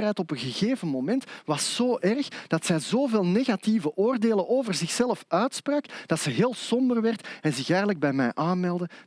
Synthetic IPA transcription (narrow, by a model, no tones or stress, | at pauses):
ɦɛjtɔpənɣəɣeːvənmomɛntʋɑsːoːʔɛrxd̥ɑtsɛjzoːveːlˠneːɣɑtivəʔoːrdeːlənʔoːvərzɪxsɛləfœɥtspraːkd̥ɑtsəɦeːlˠsɔmbərʋɛrtɛnzɪxɛːɣələɡ̚bɛjmɛjʔaːnmɛlˠdə